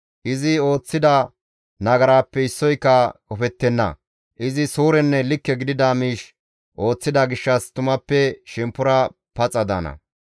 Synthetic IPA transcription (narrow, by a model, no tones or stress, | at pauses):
ʔɪzɪo̞ːt͡sːɪd̪ɐ | nɐɡɐɾaːpːɛɪsːɔjkːɐkɔfɛt̪ːɛnːɐ̰ | ʔɪzɪsuːɾɛnːɛlɪkːɛɡɪd̪ɪd̪amiːʃ | ʔo̞ːt͡sːɪd̪ɐɡɪʃːɐst̪ʊmɐpːɛʃɛmpːʊɾɐ | pɐt͡sʼɐd̪a̰ːnɐ̰